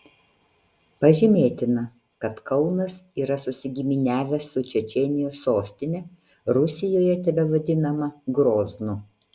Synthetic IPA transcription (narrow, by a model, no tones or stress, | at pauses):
pɐʒʲɪmʲeːt̪ʲɪnɐ | kɐt̪kɐʊnɐsiːɾɐsʊsʲɪɡʲiːmʲɪnʲæːʋʲɛsːʊt͡ʃʲɛt͡ʃʲɛnʲɪjoːsːoːsʲt̪ʲɪnʲɛ | ɾʊsʲɪjoːjɛt̪ʲɛʋʲɛʋɐd̪ʲɪnɐmɐɡɾoːznʊ